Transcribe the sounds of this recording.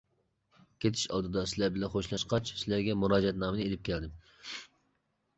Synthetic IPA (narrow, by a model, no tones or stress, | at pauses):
kʲʰet̪ʰɪ̥ʃɑ̰lˠd̪ɨd̪ɑsɪlæɾbɪlɛnχoʃlˠɑʃqɑt͡ʃsɪlæɾɡʲɛmuɾɑːd͡ʒɛt̪nɑːmɨnɨelɪp̚kʲʰɛld̪ɪm